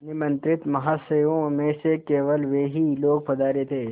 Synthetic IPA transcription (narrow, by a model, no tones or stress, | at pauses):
nɪmɐ̃nt̪ɾɪt̪mɐɦaːsejõmẽsekeːʋəlʋeːɦiloːɡ̚pɐd̪aːɾet̪ʰeː